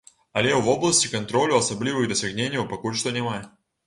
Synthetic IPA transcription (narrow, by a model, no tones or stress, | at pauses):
ɐlʲeʊvoblˠəsʲtʲɪkɐnt̪ɾolʲʊɐsɐblʲivɨxd̪əsʲɪɣnʲenʲɪjʊpɐkulʲʂt̪onʲɪmaj